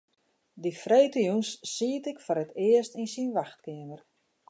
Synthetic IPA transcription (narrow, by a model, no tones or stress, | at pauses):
difrejtəjunsːiətɪkfoɾətʰɪəstinsinʋaxt̚kɪəmər